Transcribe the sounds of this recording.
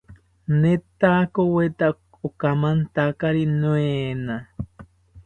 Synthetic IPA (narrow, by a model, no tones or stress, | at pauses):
net̪akowet̪a | okamant̪akaɾinwena